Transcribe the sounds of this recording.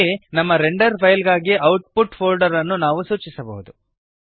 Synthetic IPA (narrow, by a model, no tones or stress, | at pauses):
enɐmːɐɾeɳɖɐɾpʰɐjlɡaːɡiɐwʈ̚puʈpʰoːlɖɐɾɐnːunaːʋusuːt͡ʃisɐbɐ̰ɦud̪u